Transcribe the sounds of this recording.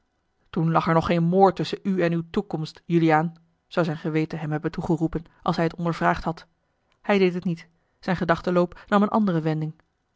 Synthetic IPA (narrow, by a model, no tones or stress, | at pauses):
tunlɑχɛɹnɔχːejnmoːɹtʏsənyɛnywtukɔmstjyliaːn | z̥ɑwzɛjnχəʋejtəɦɛmɦɛbəntuχərupən | ʔɑlˠsɦɛjətɔndəɹvraːχtɦɑt | hɛjdejtɦətnit | z̥ɛjnχədɑχtəlowpnɑmənʔɑ̰ndərəʋɛndɪŋ